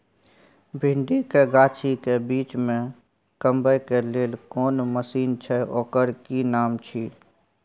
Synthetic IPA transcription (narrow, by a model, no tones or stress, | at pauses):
bʱiɳɖikeɡaːt͡ʃʰikebiːt͡ʃmẽ | kəmbəjkeleːlkɔːnməsiːnt͡ʃʰɛoːkəɾkinaːmt͡ʃʰi